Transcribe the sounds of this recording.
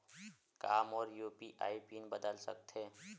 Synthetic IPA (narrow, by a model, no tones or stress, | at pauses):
kaːmɔːɾjuːpiʔaːipiːnbəd̪əlsə̰kt̪ʰɦeː